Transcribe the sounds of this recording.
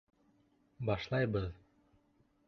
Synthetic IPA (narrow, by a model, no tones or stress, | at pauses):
bɑʃlˠɑjbɯð